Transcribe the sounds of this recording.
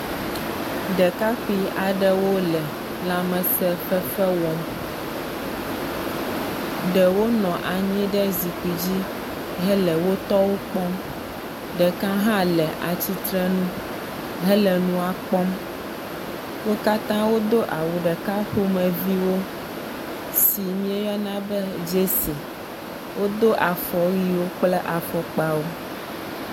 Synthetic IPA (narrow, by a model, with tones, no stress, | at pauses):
ɖɛ˨ka˦xi˦a˨ɖɛ˦wo˦lɛ˨ | la˨mɛ̃˨sɛ˦fɛ˦fɛ˦wɔ˨ | ɖɛ˨wo˦nɔ̃˨ʔa˨ɲĩ˦ɖɛ˦zi˨k͡pi˨d͡ʑi˦ | ɦɛ˦lɛ˨wo˦t̪ɔ˦wo˦k͡pɔ˦m | ɖɛ˨kã˦ɦã˦lɛ˨ʔa˨t͡ɕi˦t̪ɾɛ˦nũ˦ | ɦɛ˦lɛ˨nũ˦a˨k͡pɔ˦m | wo˦ka˦t̪ã˦wo˦d̪o˦ʔa˨wu˨ɖɛ˨ka˦xo˦mɛ̃˨vi˦wo˦ | si˨mĩ˦e˦jɔ˦nã˦bɛ˦d͡ʒe˦se˨ | wʔo˦d̪o˦ʔa˨fɔ˨ɣi˦wo˦k͡plɛ˦ʔa˨fɔ˨k͡pa˦wo˦